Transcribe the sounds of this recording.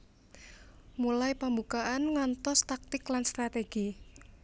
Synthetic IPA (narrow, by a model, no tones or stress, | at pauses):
mulajpambukaʔanŋant̪ɔst̪ak̚t̪ɪklanst̪ɾat̪eɡ̥i